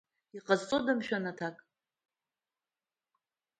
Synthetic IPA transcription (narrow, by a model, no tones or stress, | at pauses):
iqʼazt͡sʼodamʃᶣanatʰakʼ